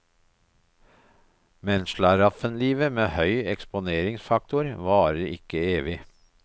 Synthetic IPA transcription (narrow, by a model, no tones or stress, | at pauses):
mɛnʃɭɑɾɑfənliːʋəmeːhœʏɛkspʊneːɾɪŋsfɑk̚t̪ʊɾʋɑːɾəɾʔɪ̰kəeːʋɪ